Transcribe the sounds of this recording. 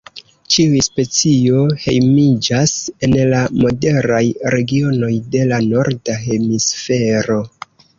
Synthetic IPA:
t͡ʃiujspe̞t͡sio̞he̞̰jmid͡ʒase̞nlamo̞de̞ɾajɾe̞ɡio̞no̞jde̞lano̞ɾdaɦe̞misfe̞ɾo̞

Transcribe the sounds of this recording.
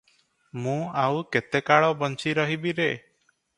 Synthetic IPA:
mũawket̪ekaɭɔbɔnt͡ʃiɾɔɦibiɾe

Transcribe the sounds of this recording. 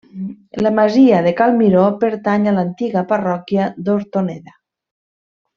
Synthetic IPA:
lamaziaðekalmiɾopeɾt̪aɲalant̪iɣaparɔkjad̪oɾt̪oneða

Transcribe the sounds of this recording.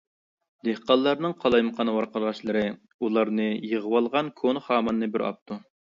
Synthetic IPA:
d̪ehqɑlˠːɑɾnɨŋqʰɑlˠɑjməqʰɑnwɑɾqəlˠʁɑʃlˠɨɾɨ | ulˠɑɾnɨjəʁəwɑlˠʁɑnkʰonχɑːmɑnːɨbɪɾɑ̰p̚t̪ʰu

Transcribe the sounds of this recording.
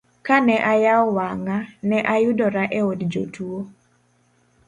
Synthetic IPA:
kanɛʔajaɔwaŋanɛʔajʊdɔɾaʔeodd͡ʒo̰tuo

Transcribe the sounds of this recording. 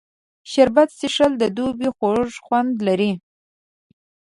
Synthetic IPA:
ʃaɾbat̪siʂəld̪əd̪ubixoʐxwand̪laɾi

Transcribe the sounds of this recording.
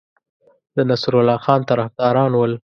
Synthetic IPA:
d̪ənasɾʊlɑxɑnt̪aɾafd̪ɑɾɑnwəl

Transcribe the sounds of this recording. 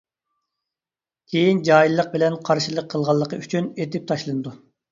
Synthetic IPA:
kʲʰejind͡ʒɑːjilˠːəq̚bɪlɛnqʰɑɾʃilˠəqʰːəlˠʁɑlˠːəqəyt͡ʃʰynet̪ɪp̚t̪ʰɑʃlˠɨnɨd̪u

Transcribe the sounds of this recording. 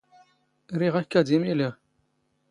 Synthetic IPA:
ɾiʁækːæd̪imiliʁ

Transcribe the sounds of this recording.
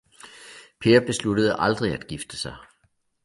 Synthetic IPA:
pʰe̝ːɐb̥e̝sluɾ̥əð̞ˠəʔɑ̈ld̥ʁiæd̥ɡ̥ifd̥əsɑ̈ɪ

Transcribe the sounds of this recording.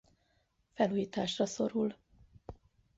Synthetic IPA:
fɛluːjiːt̪aːʃrɒso̞ɾul

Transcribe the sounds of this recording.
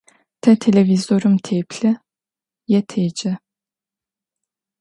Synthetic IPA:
t̪ʰɛt̪ʰelʲevizoɾumt̪ʰepʰlʲɪ | jɛt̪ʰed͡ʒɪ

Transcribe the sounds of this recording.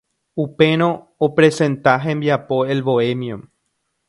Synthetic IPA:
upe̞ɾ̃õ | opɾe̞sẽ̞nt̪aɦẽmbjapo̞elβoemjõm

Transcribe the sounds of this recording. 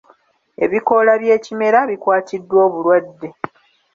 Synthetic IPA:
e̞̰βiko̞laβje̞ːcime̞ɾaβikwaːtidːwo̞ːβulwadːe̞

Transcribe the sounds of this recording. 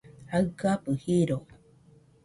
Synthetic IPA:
aɯkapɨhiɾo

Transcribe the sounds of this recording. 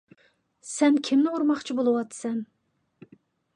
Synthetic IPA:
sɛmkʲʰimnɪuɾmɑχt͡ʃʰibolˠɨwɑt̪sɛm

